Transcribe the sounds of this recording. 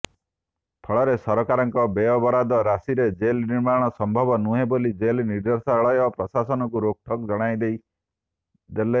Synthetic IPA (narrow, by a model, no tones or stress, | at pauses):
p̪ʰɔɭɔɾesɔɾɔkaɾɔŋkɔbeɔbɔɾad̪ɔɾasiɾed͡ʒelniɾmaɽ̃ɔsɔmbʱɔbɔnuɦebolid͡ʒelniɾd̪ɔsaɔɭɔjɔpɾɔsasɔnɔkuɾok̚ʈʰɔkd͡ʒɔɽ̃ajd̪ej | d̪ele